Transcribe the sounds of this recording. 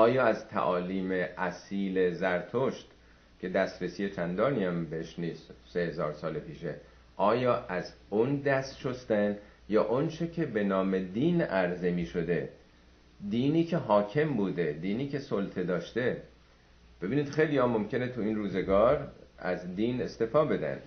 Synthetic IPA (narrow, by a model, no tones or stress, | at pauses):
ɒːjɒːæzt̪ʰæ̰ʔɒːliːme̞ʔæsiːle̞zæɾt̪ʰoʃt̪ | cʰe̞d̪æst̪ɾesiːje̞t͡ʃʰænd̪ɒːniæmbeeʃniːst̪se̞hezɒːɾsɒːlepʰiːʃe̞ | ʔɒːjɒːʔæzund̪æst̪ʃost̪æn | jɒːʔont͡ʃʰe̞cʰe̞be̞nɒːme̞d̪iːnæɾzemiːʃo̞d̪e̞ | d̪iːniːcʰeɦɒːcʰe̞mbuːd̪e̞d̪iːniːkʰe̞solt̪ʰe̞d̪ɒːʃt̪e̞ | b̥e̞biːniːd̪̥xe̞jlijɒːmo̞mcʰe̞ne̞t̪ʰuiːnruːze̞ɡɒːɾæ̰zd̪iːne̞st̪eːfɒːbe̞d̪æ̰nd̪̥